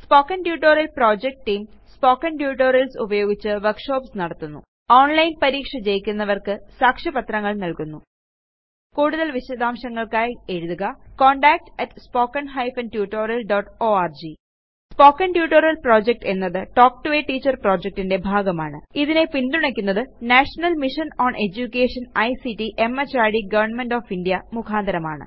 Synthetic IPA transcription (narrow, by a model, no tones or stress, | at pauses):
spo̞ːkːɐnʈjuːʈːo̞ːɾɐlpro̞ːd͡ʑek̚ʈʈːiːm | spo̞ːkːɐnɖjuːʈːoːɾɐlsubɐjo̞ːɡit͡ɕːɨʋɐrkʂo̞ːpsnɐɽɐt̪ːunːṵ | oːɳlɐjnpɐɾiːkʂɐt͡ɕe̞jikʲːunːɐʋɐrkɨsaːkʂɐpɐt̪rɐŋːɐɭnɐlkunːu | kuːɽuðɐlʋiɕɐd̪aːmɕɐŋːɐɭkaːje̞ɻuðuɣɐko̞ːɳɖaːk̚ʈɐʈspo̞ːkːɐnɦɐjfɐnʈjuːʈːo̞ːɾɐlɖoːʈːoːaːrd͡ʑi | spo̞ːkːɐnʈjuːʈːoːɾɐlpro̞ːd͡ʑek̚ʈe̞nːɐðɨʈo̞ːk̚ʈʋeːʈːiːt͡ɕːɐrpro̞ːd͡ʑek̚ʈinde̞bʱaːɡɐmaːɳɨ̰iðine̞pind̪uɳɐkʲːunːɐðɨnaːʂɐnɐlmiʂɐnoːɳʔe̞d͡ʑukʲːe̞ːʂɐnɐjsiʈiʔe̞mɐt͡ɕːaːɾɖiɡɐʋɐrɳme̞ɳɖoːfinɖijɐmukʰaːnd̪ʱɐɾɐmaːɳɨ̰